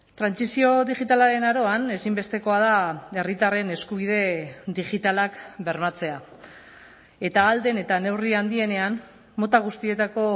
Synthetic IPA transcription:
t̪ɾansisio̞ðiʝit̪alaɾe̞naɾo̞ane̞simbe̞st̪e̞ko̞að̞ae̞rit̪are̞ne̞skuβ̞ið̞e̞d̪iʝit̪alakbe̞ɾmat͡se̞a | e̞t̪aːld̪e̞ne̞t̪ane̞wriand̪ie̞ne̞anː | o̞t̪aɣ̞ust̪ie̞t̪ako̞

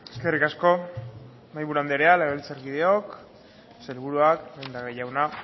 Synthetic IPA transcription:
eske̞rikasko̞ | majβuɾuand̪eɾealeɣelt͡saɾkið̞eo̞k | selβuɾuakewnd̪aɣeʝawna

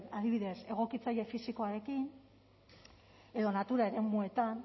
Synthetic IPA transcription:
naðiβiðe̞se̞ɣ̞o̞kit͡saje̞fisiko̞aɾe̞kin | e̞ðo̞nat̪uɾae̞ɾe̞mue̞t̪an

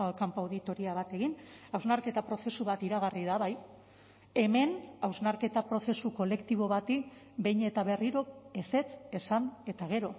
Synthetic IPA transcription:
kampawðit̪o̞ɾiaβ̞at̪e̞ɣinawznaɾke̞t̪apɾo̞se̞suβat̪iɾaɣ̞ariðaβaj | e̞me̞nawznaɾke̞t̪apɾo̞se̞suko̞le̞kt̪iβ̞o̞βat̪ik | be̞jɲe̞t̪aβe̞riɾo̞ese̞t͡se̞sane̞t̪aɣ̞e̞ɾo̞

